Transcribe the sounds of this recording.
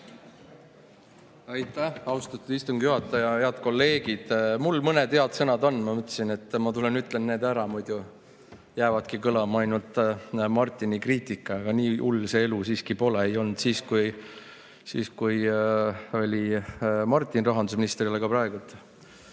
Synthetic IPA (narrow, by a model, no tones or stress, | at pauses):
ɑjt̪ːˑæhɑwst̪ɑt̪ːˑud̪̥ist̪uŋɡ̥juɦɑt̪ːˑɑjɑheɑd̪̥ko̞lːe̞ːɡid̪̥mulmɤned̪he̞ɑd̪sɤnɑd̪o̞nːmɑmɤt̪ːˑsine̞t̪ːˑmɑt̪ulenyt̪ːˑlenne̞ːd̪æɾɑmud̪̥ju | jæːvɑd̪̥kikɤlɑmɑɑjnult̪ˑmɑrt̪ʲːˑinikriːt̪ˑikːˑɑɑɡ̥ɑniːʔulːsee̞lusiːskipo̞leejo̞lnd̪̥siːskuj | sḭːskuj | o̞lʲimɑrt̪ʲːˑinrɑɦɑnd̪usminist̪rileɡ̥ɑpɾɑe̞ɡ̥ult̪ːˑ